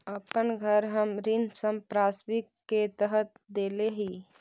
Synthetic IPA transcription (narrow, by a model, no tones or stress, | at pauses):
əpənɡʱəɾɦəmɾɪnd̪səmpɾaːsmɪkːet̪əɦət̪̚d̪eːleɦiː